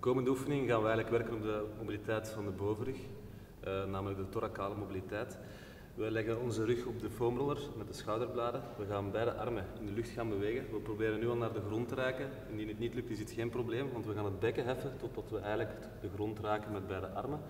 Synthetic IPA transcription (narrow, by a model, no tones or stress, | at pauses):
koːməndəufənɪŋɣaːnʋəɛjɣələkʋɛrkənɔb̚dəmobilitɛjtfɑndəboːvərʏx | naːmələɡ̚dətoɾakaːləmobilitɛːt | ʋəlɛɣənɔnzərʏxɔb̚dəfoːmrɔlərmɛt̚dəsxɑwdərblaːdəʋəɣaːnbɛjdəʔɑrməɪndəlʏxtxaːnbəʋeːɣəʋəprobeːɾənːyːɑlˠnaːrdəɣrɔntəɾɛːkə | ɪndinətnitlʏktɪsətxeːnprobleːmʋɑntʋəɣaːnɦəd̚bɛkəɦɛfətɔdɑtʋəɛjɣənlək | d̥əɣrɔntraːkənmɛd̚bɛjdəʔɑ̰rmən